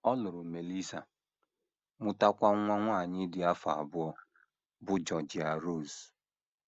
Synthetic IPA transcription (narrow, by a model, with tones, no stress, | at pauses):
ɔ˦lʊ˨ɾʊ˨me˨li˦sa˨ | mʊ˨ta˦kʷa˦ŋʷa˦ŋʷa˦˨ɲɪ˦dɪ˨a˦fa˨a̰˨bʊ˦ɔ˦ | bʊ˦d͡ʒɔ˨d͡ʒɪ˨a˨ɾo˦˨z